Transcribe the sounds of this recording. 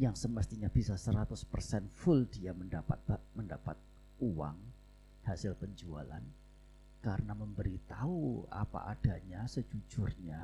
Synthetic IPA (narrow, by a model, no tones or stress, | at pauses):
jaŋsəməst̪iɲab̥isasəɾat̪ʊspərsɛnfʊldiaməndapat̪̚məndapat̪̚ | uwa̰ŋ | hasɪlpəɲd͡ʒua̰la̰n | kaɾənaməmbəɾit̪aua̰pa̰ʔad̥aɲasəd͡ʒud͡ʒʊrɲa